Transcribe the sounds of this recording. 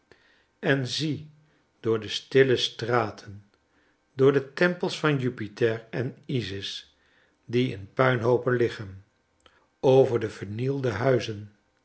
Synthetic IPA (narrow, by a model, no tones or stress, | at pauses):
ɛnzi | d̥ʊːɹdəstɪləstraːtʰən | dʊːɹdətɛmpəlˠsfɑnjypitɛɹɛnizɪs | diɪ̰npœɥnɦowpənlɪχən | owvəɹdəvəɹnilˠdəɦœɥzən